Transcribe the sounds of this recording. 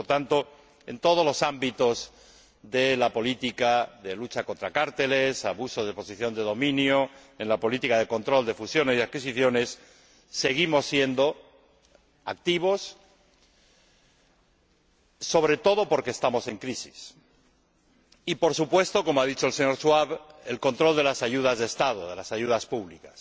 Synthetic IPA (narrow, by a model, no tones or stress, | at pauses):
t̪ant̪o̞ | e̞̰nt̪o̞ð̞o̞zlo̞sambit̪o̞z | ðe̞lapo̞lit̪ikaðe̞lut͡ʃako̞nt̪ɾakaɾt̪e̞le̞saβusozðepo̞siθjo̞nd̪e̞ðo̞mĩnjoenlapo̞lit̪ikað̞e̞ko̞nt̪ɾo̞ld̪e̞fusjo̞nesðeakis̬iθjo̞ne̞sː | e̞ɣimo̞sːje̞nd̪o̞ | a̰k̚t̪iβ̞o̞s | o̞βɾe̞t̪o̞ðo̞po̞ɾkeːst̪amo̞se̞ŋkɾisi̥s | ipo̞ɾsupwe̞st̪o̞ko̞moaðit͡ʃo̞else̞ɲo̞ɾswaβe̞lko̞nt̪ɾo̞ld̪e̞lasaʝuð̞azðeːst̪að̞o̞ðe̞lasaʝuðaspuβlikḁs